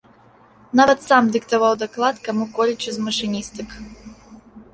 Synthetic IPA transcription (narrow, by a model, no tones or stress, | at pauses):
navɐt̪samd̪ɨkt̪avawd̪aklˠat̪kamukɔlʲit͡ʃɨzmɐʂɨnʲist̪ɨk